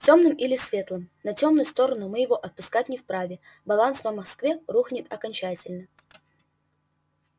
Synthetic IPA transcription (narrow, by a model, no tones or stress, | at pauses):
ftʲo̞mnɨmilʲɪsvʲe̞t̪lˠəmnɐtʲo̞mnʊjʊst̪o̞ɾənʊmɨjɪvo̞ʔɐt̪̚pʊskatʲnʲɪfpɾavʲɪ | bɐlˠanspəmɐskvʲeruxnʲɪt̪ɐkɐnʲt͡ɕætʲɪlʲnə